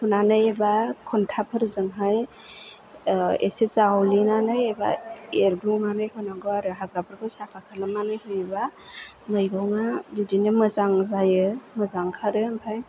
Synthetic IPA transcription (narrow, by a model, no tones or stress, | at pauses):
sʰunanɯjebakʰɔntʰapʰɯɾzɯŋɦaj | ḛsesawlinanɯjeba̰eɾɡɾuŋanɯjkʰɯnaɡɔaɾɯɦaɡɾapʰɯɾkʰɯsapʰakʰalamːanɯjɦɯjeba | mɯjɡawŋabidinɯmɯzaŋzajɯməzaŋkʰaɾɯmpʰaj